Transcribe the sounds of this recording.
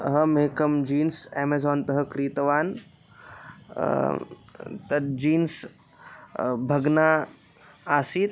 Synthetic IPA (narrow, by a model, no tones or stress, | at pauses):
ɦɐmeːkɐmd͡ʒiːnseːmezoːnt̪ɐɦɐkɾiːt̪ɐʋaːn | t̪ɐd͡ʒiːns | bʱɐɡnaː | aːsiːt̪